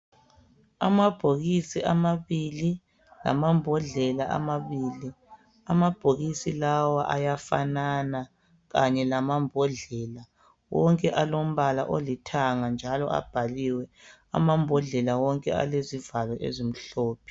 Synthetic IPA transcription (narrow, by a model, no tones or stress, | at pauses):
amab̥ʱoɣisiʔamaβili | la̰mambʱɔɮɛlaʔa̰maβiːli | amab̥ʱoɣisilawaʔa̰jafa̰nana | ɣaɲɛlamambʱɔɮɛla | wɔŋkʼɛʔalom̩βalaʔolitʰaŋand͡ʒʱalɔʔa̰b̥ʱaliwɛ | a̰mambʱɔɮɛlawɔŋkʼɛ̰a̰lezivalɔʔḛzim̩ɬɔːpʰi̥